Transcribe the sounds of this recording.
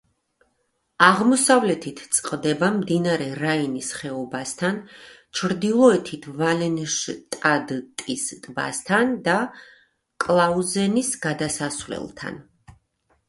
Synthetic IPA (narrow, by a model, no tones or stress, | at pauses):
aʁmɔsavlɛt̪ʰit̪ʰt̪sʼqʼd̪ɛbamd̪inaɾɛɾainisχɛɔbast̪ʰant͡ʃʰɾd̪ilˠɔɛt̪ʰit̪ʰvalɛnʃt̪ʼad̪t̪ʼist̪ʼba̰st̪ʰand̪a | kʼlˠauzɛnisɡad̪asasvlɛ̰lˠt̪ʰa̰n